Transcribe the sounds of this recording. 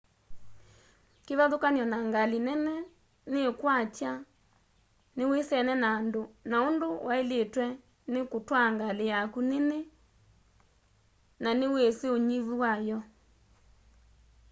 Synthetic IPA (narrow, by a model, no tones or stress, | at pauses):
keβaðokanjɔnaŋɡalenɛnɛ | nekwat͡ʃja | newesɛnɛnaːndonaondowaeletwɛ | nekotwaŋɡalejakunene | naneweseoɲiβuwajɔ